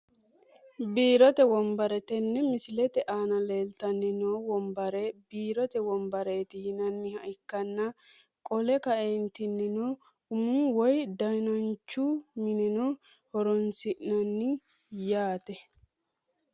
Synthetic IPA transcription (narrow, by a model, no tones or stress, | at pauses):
biːɾɔt̪ɛwɔmbɐɾɛt̪ɛnːɛmɪsɪlɛt̪ɛʔaːnɐle̞ːlt̪ɐnːɪnoːwɔmbɐɾɛbiːɾɔt̪ɛwɔmbɐɾeːt̪ɪhɪnɐnːɪhɐɪkːɐnːɐ | kʼɔlɛkɐʔent̪ɪnːɪnoː | ʊmʊnwɔjd̪ɐjnɐnt͡ʃːumɪnɛnoː | hɔɾɔnsɪʔnɐnːɪ | jaːt̪ɛ